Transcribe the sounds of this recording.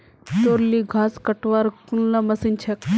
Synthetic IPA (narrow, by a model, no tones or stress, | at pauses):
t̪oɾliɡʱaskəʈʋaɾkunlamɐsint͡ʃʰɐk